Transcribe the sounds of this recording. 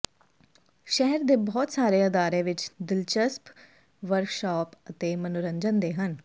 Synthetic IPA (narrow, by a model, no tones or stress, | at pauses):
ʃɛɦɛɾd̪eːbɔːt̪saːɾeːəd̪aːɾẽːʋɪt͡ʃd̪ɪlt͡ʃəsp | ʋəɾkʃɔːpət̪eːmənʊɾəɲd͡ʒənd̪eːɦən